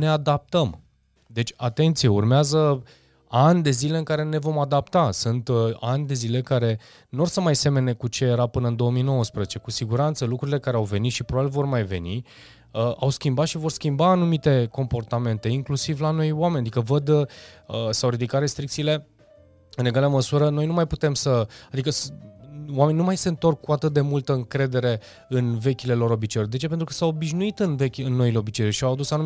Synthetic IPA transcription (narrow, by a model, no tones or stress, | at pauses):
ne̞ad̪ap̚t̪əm | d̪e̞t͡ʃʲat̪e̞nt̪sije̞urmeazə | anʲd̪e̞zile̞ɨŋkaɾe̞ne̞vo̞mad̪apt̪asɨnt̪anʲd̪e̞zile̞kaɾe̞ | nuorsənmajse̞me̞ne̞kut͡ʃe̞jeɾapɨnəɨnd̪o̞əmijno̞wəspɾezet͡ʃe̞kusiɡuɾant̪səlukɾuɾile̞kaɾeawve̞nit̪ʃipɾobabilvo̞rmajve̞̰ni | əʔawskʲimbat̪ʃivo̞rskʲimbaːnumit̪e̞ko̞mpo̞rt̪ame̞nt̪e̞iŋklusivlano̞jwame̞nʲad̪ikəvəd̪əsawɾid̪ikat̪re̞st̪ɾik̚t̪siːle̞ | ɨne̞ɡaleaməsuɾəno̞jnumajput̪e̞msəad̪ikəs | wame̞ninumajse̞ɨnt̪o̞rkːuat̪ɨt̪̚d̪e̞mult̪əɨŋkɾe̞d̪e̞ɾe̞ | ɨnve̞kʲile̞lo̞ɾo̞bit͡ʃejod̪e̞t͡ʃe̞pe̞nt̪ɾukə̥sawobiʒnuit̪ɨnve̞kʲɨnːo̞ileo̞bit͡ʃeoʃiawad̪usanu